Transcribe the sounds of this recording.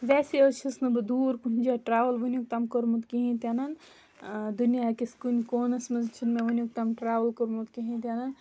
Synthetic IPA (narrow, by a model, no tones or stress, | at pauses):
ʋɛːseət͡ʃʰisnɐbɨd̪uːɾpuɦinʲd͡ʒaʈɾaːʋəlʋənjuk̚t̪amkəɾmut̪kiɦĩt̪anɐn | d̪unijakeskunʲkoːnɐsmɐzt͡ʃʰinmeʋənjuk̚t̪amʈɾaːʋəlkoɾmut̪kiɦĩt̪anan